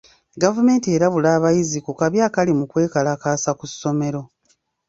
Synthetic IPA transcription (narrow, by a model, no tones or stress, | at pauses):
ɡavume̞ːntie̞ːɾaβulaːβajizikukaβjaːkalimukwe̞ːkalaːkaːsakusːo̞me̞ɾo̞